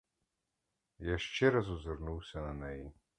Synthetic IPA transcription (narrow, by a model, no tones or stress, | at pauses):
jaʃt͡ʃɛɾasuzɛɾnuwsʲananɛji